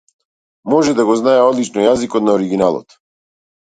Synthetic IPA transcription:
mɔʒɛd̪aɡɔznajɛɔd̪lit͡ʃnɔjazikɔt̪naɔɾiɡinalˠɔ̰t̪

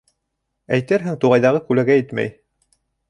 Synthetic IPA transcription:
æjt̪ɘɾɦɘŋt̪uʁɑjðɑʁɤkʉlæɡæjɘt̪mæ̰j

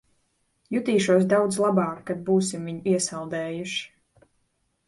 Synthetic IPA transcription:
jut̪iːʃuɔsd̪awd̪zlˠabɑːkːad̪̚buːsimviɲuiɛsalˠd̪ɛːjuʃi̥

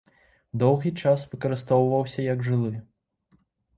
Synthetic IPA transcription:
d̪ɔwɣʲit͡ʂasvɨkɐɾɨst̪ɔwvɐwsʲɐjɐɡʐɨlˠɨ

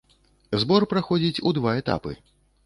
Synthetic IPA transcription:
zbɔrpɾaxɔd͡zʲit͡sʲud̪vaɛt̪a̰pɨ̰

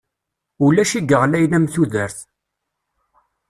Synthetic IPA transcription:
ulæʃiɡəʁlæjlæmθuðəɾθ

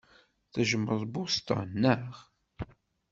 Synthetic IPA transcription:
θæʒəmːəðˤbust̪ɑ̰nːəʁ

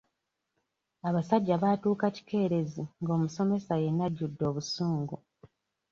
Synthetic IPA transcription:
aβasaɟːaβatuːkaci̥ke̞ːɾe̞ziŋɡo̞ːmuso̞me̞saje̞nːaɟːudːo̞ːβusuːŋɡu

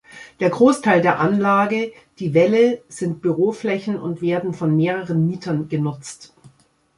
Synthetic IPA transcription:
d̥eːɐɡʁoːstʰaɪldeːɐʔanlaːɡə | d̥iːvɛləz̥ɪnt̚b̥yʁoːflɛçn̩ʊ̰ntv̥eːɐdn̩fɔnmeːʁəʁənmiːtʰɐnɡ̥ənʊt͡st

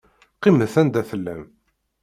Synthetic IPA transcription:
qiməθænd̪æθəlːæ̰m

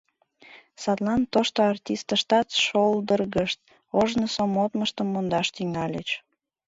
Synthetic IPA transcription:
sɑt̪lɑnt̪oʃt̪oɑrtʲist̪əʃt̪ɑt̪ʃold̪ərɣəʃt̪̚ | oʒnəsomot̪məʃt̪əmːond̪ɑʃt̪yŋɑlʲet͡ɕ

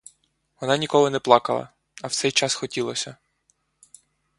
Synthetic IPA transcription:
ʋɔnɑnʲikɔlɔnɛplˠɑkɐlˠɐ̰ | ɐwt̪sɛjt͡ʃɑsxɔtʲilˠɔsʲɐ

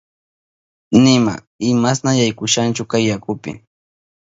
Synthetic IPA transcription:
nɪma̰ | ɪmasnajajkʊʃant͡ʃʊkajːakʊpɪ̰

